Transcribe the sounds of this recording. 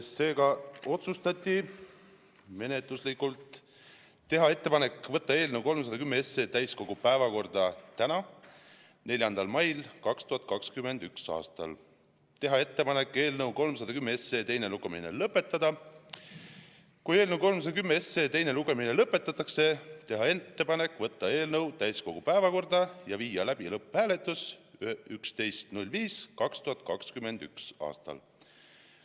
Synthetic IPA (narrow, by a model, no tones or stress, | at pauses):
se̞ːɡ̥ɑo̞t̪sust̪ɑt̪ʲˑːi | me̞ne̞t̪luslikːˑult̪ː | e̞ɦɑe̞t̪ːe̞pɑne̞kːˑvɤ̞t̪ːɑe̞ːlnewko̞lms̬ɑd̪ɑkymːeesːe̞ːt̪æjsko̞ɡ̥upæevɑko̞rd̪̥ɑt̪ænɑ | ne̞lʲjɑnd̪̥ɑlmɑjlkɑkst̪uhɑt̪̚ˑkɑkskyme̞nd̪yksɑ̰ːst̪ɑ̰l | t̪e̞ɦɑe̞t̪ːe̞pɑnekːˑe̞ːlnɤwko̞lms̬ɑd̪ɑkymːeesːe̞ːt̪e̞jne̞luɡ̥emḭnḛlɤpːˑe̞t̪ːˑɑd̪̥ɑ | kuje̞ːlnəwko̞lms̬ɑd̪̥ɑkymːeesːe̞ːt̪e̞jne̞luɡ̥e̞minelɤpːˑe̞t̪ːˑɑt̪ːˑɑkse̞t̪e̞ɦɑe̞t̪ːe̞pɑne̞kːˑvɤ̞t̪ːɑe̞ːlnɤwt̪æjsko̞ɡ̥upæevɑko̞rd̪ɑjɑviːjɑlæb̥ilɤpːhæːle̞t̪ːˑusykst̪e̞jst̪nulʲviːskɑkst̪uɑt̪̚ːˑkɑkskymend̪̥y̰ksɑ̰ːst̪ɑ̰l